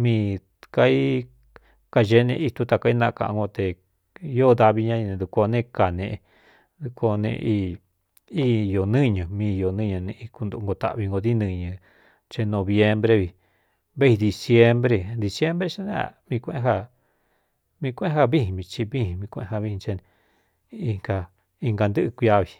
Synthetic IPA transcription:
mĩː˦˧ | ka˧i˦ | ka˧ʒe˧˦nḛ̃˧˦i˧t̪u˧t̪a˧˨ka˧i˦nã˧ʔkã̰˧ʔã̰˧ŋɡo˧t̪e˨˧ | jo˦˧d̪a˧βi˧ɲã˦˧i˧nẽ˧d̪u˧ko˧nẽ˦˧ka˨nẽ˧ʔ | d̪u˧ko˧nḛ̃˧ʔi˧ | i˦˨jo˨nɨ̃˦˨ɲã˨mĩː˧jo˨nɨ̃˦ɲã˧nẽ˧i˧ku˧nd̪u˧˨˧ŋɡo˧t̪a̰˧˨βi˧ŋɡo˧ði˦nɨ̃˧ɲɨ̃˧ | t͡ʃe˧nõ˧βje˧mbɾe˧βi˧ | βe˦i˧d̪i˧sje˦mbɾe˧d̪i˧sje˦mbɾe˧t͡ʃa˦nẽ˦a̰˨mĩ˧kʷẽ˧˦ɦa˧˨ | mĩ˧kʷɦa˦βi˦hĩ˧˨βĩ˧t͡ʃi˧βi˦hĩ˧mĩ˧kʷḛ̃˧a˧βi˧ĩ˧t͡ʃe˧nẽ˧ | i˧ŋɡa˧ | i˧ŋɡa˧nd̪ɨ˦ʔɨ˧kʷi˧a˧βi˧

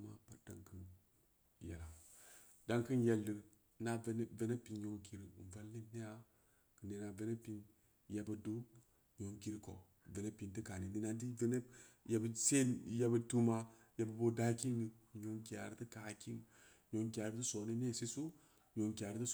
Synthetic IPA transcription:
ma˦pa˦ɾd̥a̰˨ŋkɨ˦n | ja̰˨la˨ | da˦ŋkɨ˦nje˨lːi˨ɾ | na˦n˦ve˨˦ne˦pi˨nɲo˨ŋki˨ɾi˨n˨va˦lːi˦ne˦ja˨ | kɨ˨ne˨na˨ve˦ne˦pi˨˦n | ja˨bə˨du˦ | ɲo˨ŋki˦ɾko̰˨ | ve˨ne˦pi˨nti˦ka˨ni˨di˦na˦di˦ve˦ne˦ja˨˦bse˦ja˦bə˨˦tu˦ma˦ | ja˨ba˨bo˦da˦ki˦nɡi˨ɲo˨ŋki˨a̰˨ɾi˦tɨ˦ka˨ki˦ŋ˨ | ɲo˨ŋkʲa˨ɾi˦tu˦so˨ni˦ne˦˨si˦su˦ | ɲo˨ŋkʲa˨ɾi˦tə˦

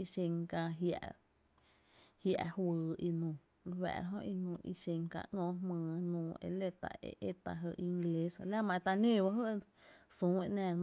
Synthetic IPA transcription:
i˧ʃe˧ŋkã˧ɦja̰˧ʔ | hja˧ʔhwɨː˧i˧nũː˨ | lwɛ̰˧˨ɾa˧ɦõ˦ʔi˧nũː˧ʔḭ˧ʃe˧ŋkã̰˧ʔŋɔ̃ː˧˦hmɨ̃ː˧˨nũː˧˨ḛ˧˨le˦t̪a̰˧ḛ˧ʔe˦t̪a˧ɦɨ˧˨ʔi˧ŋɡle˧˦sla˦mã˧˨e˧t̪a˧nẽː˦˨ba˧ɦɨ˦ʔ | sũː˨˦e˧ʔnɛ̃ː˧˨˦

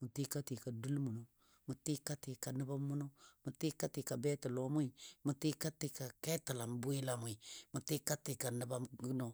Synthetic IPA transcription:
mu˨ti˦ka˦ti˨ka˨du˦lmu˨no˨ | mu˨ti˦ka˦ti˨ka˨nə˦ba˦mu˦no˦mu˨ti˦ka˦ti˨ka˨bɛ˦tə˨lo˨˦mʊ˦i˨mu˨ti˦ka˦ti˨ka˨ke˦ta˨la˨mbu˦i˦la˨mu˨i˨mu˨ti˦ka˦ti˨ka˨nə˨˦ba˦ɡno˦

